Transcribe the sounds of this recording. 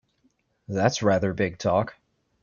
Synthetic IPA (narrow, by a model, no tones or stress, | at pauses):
ðætsɹæðə˞bɪɡ̚tʰɔk